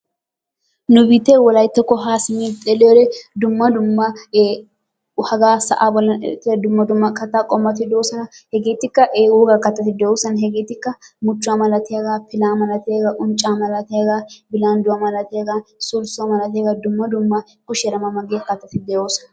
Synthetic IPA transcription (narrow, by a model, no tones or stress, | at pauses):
nʊbɪt̪ewɔlɐjt̪ːɔkːɔɦaːsɪmiːt̪ɛleɾɛd̪ʊmːɐd̪ʊmːɐ | hɐɡaːsɐ̰ʔaːbɔlɐnɛt̪ed̪ʊmːɐd̪ʊmːɐkɐt̪ːaːkʼɔmːɐt̪ɪd̪oːsɐnɐhɛɡeːt̪ɪkːɐʔeːɡuːɡɐkːɐt̪ːɐt̪ɪd̪ɛoːsɐnɦɛɡeːt̪ɪkːɐmʊt͡ʃːʊamɐlɐt̪ɪɐɡapɪlaːmɐlɐt̪eɡɐʔʊnt͡ʃʼːaːmɐlɐt̪ɛɐɡaːbɪlaːnd̪ʊwɐmɐlɐt̪eɡasulsʊɐmɐlɐt̪eːɡɐd̪ʊmːɐd̪ʊmːɐ | kʊʃɛɾɐmɐmɐɡeːkːɐt̪ːɐt̪ɪd̪ɛoːsɐ̥n